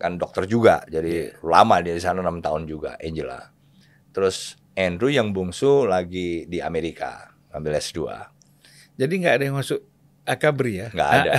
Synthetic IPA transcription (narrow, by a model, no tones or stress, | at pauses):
kandɔk̚t̪ərd͡ʒuɡa̰d͡ʒadilamadiaɾis̬ananamt̪aʊnd͡ʒuɡa̰ʔɛɲd͡ʒəla̰ | t̪əɾʊs | ʔɛndɾujaŋbuŋsulaɡidia̰meɾika̰ | ŋa̰mbɪlɛsdua̰ | d͡ʒadiŋɡaːdajaŋmasʊʔ | akabəɾijaŋɡa̰ːda